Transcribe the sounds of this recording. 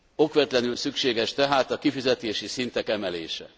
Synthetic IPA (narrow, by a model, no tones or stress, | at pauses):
o̞kʋɛrt̪lɛnylsykʃeːɡɛʃt̪ɛɦaːt̪ɒkifizɛt̪eːʃisint̪ɛkɛmɛleːʃɛ̰